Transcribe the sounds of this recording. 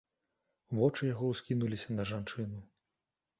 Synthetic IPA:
vɔt͡ʂɨjaɣɔwskʲinulʲisʲɐnɐʐant͡ʂɨnu

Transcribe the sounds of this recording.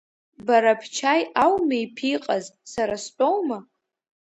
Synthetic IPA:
baɾapʰt͡ʃʰajʔawmajpʰiqʼazsaɾast͡pʷʼowma

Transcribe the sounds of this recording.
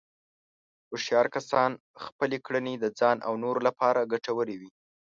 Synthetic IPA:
oʃjɑɾkasɑn | xpəlekɽəned̪əd͡zɑnʔa̰wnoɾolapɑɾaɡaʈawəɾewi

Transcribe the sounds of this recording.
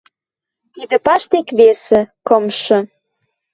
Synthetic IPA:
t̪id̪ə̆pɑʃt̪ekβesĕkɤ̆mʃɤ̆

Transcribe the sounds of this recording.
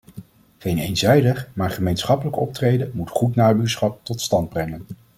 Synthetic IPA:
χejnejnzɛjdəχmaːɹχəmejnsχɑpələkɔ̰p̚trejdəmutχutnaːbyːɹsχɑp̚tɔtstɑnd̚brɛŋən

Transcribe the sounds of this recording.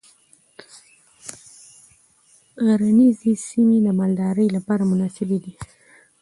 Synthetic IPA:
ɣaɾanizisimeləmald̪ɑɾəjlapɑɾamʊnɑsɪbed̪i

